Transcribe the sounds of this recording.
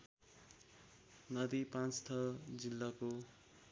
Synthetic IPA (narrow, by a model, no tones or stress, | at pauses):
nʌd̪ipãnt͡st̪ʰʌd͡zilːako